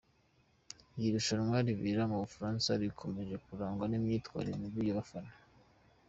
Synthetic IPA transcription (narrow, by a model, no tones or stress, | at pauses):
jiɾuʃaɾmwaɾiβiɾamuβufaɾaːnsaɾikʰo̞me̞ʒe̞kuɾaːŋɡwanimɲiːtkwa̰ːɾeɾemiɾijoβafanḁ